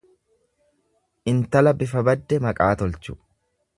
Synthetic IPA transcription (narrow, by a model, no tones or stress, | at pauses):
ʔɪnt̪ɐlɐbɪfɐbɐd̪ːɛmɐkʼaːt̪ɔlt͡ʃʊ̥